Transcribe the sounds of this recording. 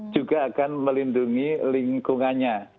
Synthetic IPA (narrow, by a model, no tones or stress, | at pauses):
d͡ʒ̥uɡaːkanməlinduŋilɪŋkuŋanɲa